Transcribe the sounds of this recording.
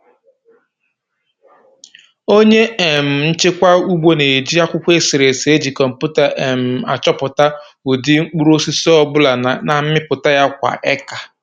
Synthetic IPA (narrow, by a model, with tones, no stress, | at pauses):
o˦ɲe˦e˨m̩˨n̩˦t͡ʃɪ˦kʷa˦u˦ɡ͡bo˦ne˨d͡ʒi˦a˦kʷʊ˦kʷe˦sɪ˨ɾe˨se˨e˦d͡ʒi˨kɔ˨m̩˨pu˦ta˨ʔe˨m̩˨a̰˨t͡ʃɔ˦pʊ˨ta˦ | u˨dɪ˦ŋ͡m̩˦k͡pu˦ɾo˦si˦sɔ˦bʊ˦la˨na˨m̩˦mɪ˦pʊ˨ta˦ja˦kʷa̰˨ʔɛ˦ka˨